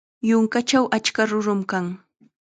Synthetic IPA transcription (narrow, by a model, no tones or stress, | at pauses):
jʊŋkat͡ʃawʔat͡ʃkaɾʊɾʊmkaŋ